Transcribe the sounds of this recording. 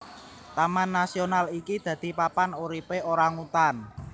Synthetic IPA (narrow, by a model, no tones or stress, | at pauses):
t̪amanːasionalikid̪̥ä̤d̪̥i̤papanoɾipeʔoɾaŋut̪an